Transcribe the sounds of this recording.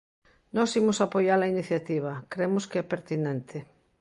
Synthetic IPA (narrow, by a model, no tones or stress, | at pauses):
nɔsimʊsapojalainiθjat̪iβ̞ɐkɾemʊskeɛpeɾt̪inẽnt̪ʰɪ